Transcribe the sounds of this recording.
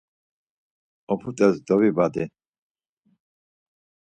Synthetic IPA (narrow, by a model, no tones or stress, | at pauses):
ɔpʰut̪ʼɛzd̪ɔvibad̪i